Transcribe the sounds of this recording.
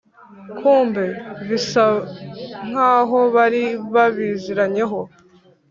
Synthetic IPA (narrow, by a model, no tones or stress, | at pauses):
kʰuːmbe̞βisa | ŋ̥aːɦo̞βaɾiβaβiziɾaɲe̞ɦo̞